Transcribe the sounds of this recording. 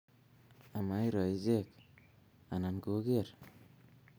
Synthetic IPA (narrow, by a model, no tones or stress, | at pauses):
amajɾɔizek̚ | ananɡoɡeɾ